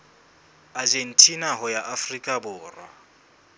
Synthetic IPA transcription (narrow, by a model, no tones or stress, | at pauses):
ad͡ʒen̩tʼinaɦʊjaʔafrikʼabʊːrwa̰